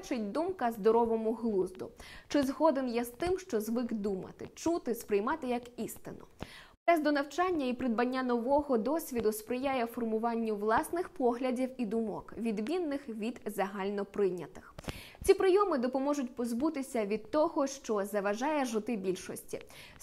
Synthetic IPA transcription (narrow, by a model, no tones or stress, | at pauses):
t͡ʃɪtʲd̪umkɐzd̪ɔɾɔʋɔmʊɦlˠuzd̪ʊ̰t͡ʃɪzɦɔd̪enjɛzt̪ɪmʃt͡ʃɔzʋɪɡd̪umɐ̰t̪ɪ̰t͡ʃut̪ɪspɾɪjmɑt̪ɪjɐkist̪ɪnʊ̰pɾɛzd̪ɔnɐwt͡ʃɑnʲːɐipɾɪd̪̚bɐnʲːanɔʋɔɦɔd̪ɔsʲʋʲid̪ʊspɾɪjajɛfɔrmʊʋɑnʲːʊʋlˠɑsnɪxpɔɦlʲɐdʲiwid̪ʊmɔkʋʲid̪mʲinːɪxʋʲid̪zɐɦɑlʲnɔpɾɪjnʲɐt̪ɪ̥x | t͡sʲipɾɪjɔmɪd̪ɔpɔmɔʐʊtʲpɔzbut̪ɪsʲɐʋʲid̪̚t̪ɔɦɔʃt͡ʃɔzɐʋɐʒɑjɛʒʊt̪ɪbʲilʲʃɔsʲtʲḭ